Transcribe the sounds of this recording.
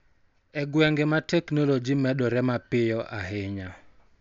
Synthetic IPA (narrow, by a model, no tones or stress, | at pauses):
ɛɡwɛŋɡɛmatɛknolod͡ʒimɛɗɔɾɛmapɪjɔʔaɦɪɲa